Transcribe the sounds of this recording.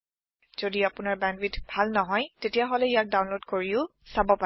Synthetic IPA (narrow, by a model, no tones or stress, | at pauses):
z̥odiapʊnaɹbɛndwitbʱalnɔɦɔjtetijaɦolɛijak̚dawnlodkoɹiʊ | sabɔpa